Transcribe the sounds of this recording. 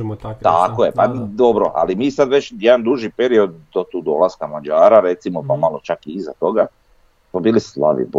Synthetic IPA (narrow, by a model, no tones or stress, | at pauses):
t̪akojepad̪o̞bɾo̰ʔa̰limiːsad̪ʋe̞t͡ɕjed̪and̪uʒipeɾio̞d̪̚d̪ot̪uːd̪o̞̰lˠaskamad͡ʒaːɾaɾe̞t̪simopamalˠo̞t͡ʃakiizat̪o̞ɡa | pabiːlisla̰ʋḭb